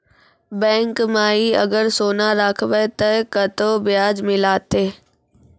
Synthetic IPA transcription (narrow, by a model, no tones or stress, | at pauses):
bɛ̃ːŋkmaːiɐ̰ɡəɾsoːnaɾakʰʋət̪ɐkɐt̪obɪjaːd͡ʒmɪlaːt̪eː